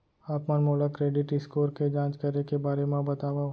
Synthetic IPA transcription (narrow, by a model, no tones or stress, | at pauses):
aːpmənmoːlakɾeːɖɪʈɪskoːɾked͡ʒãːt͡ʃkɐɾnekebaːɾemẽbɐt̪aːʋao